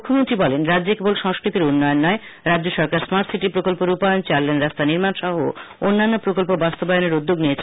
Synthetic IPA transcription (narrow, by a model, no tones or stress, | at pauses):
ukʰːomont̪ɾibɔlenɾadːd͡ʑekebolʃɔŋskɾit̪iɾunːɔjonːɔe | ɾadːd͡ʑoʃɔɾkaɾsmaɾʈsiʈipɾokolpoɾupajont͡ɕalːenɾast̪aniɾmanʃɔɦoonːanːopɾokolpobast̪obajoneɾud̪ːoɡniet͡ɕʰ